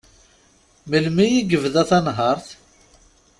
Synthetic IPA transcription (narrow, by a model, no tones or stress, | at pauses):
məlmijiɡəvðæθɑnɦɑɾˤθ